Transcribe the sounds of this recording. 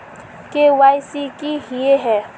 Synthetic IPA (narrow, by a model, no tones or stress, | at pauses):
kewajsikiɦieɦɛ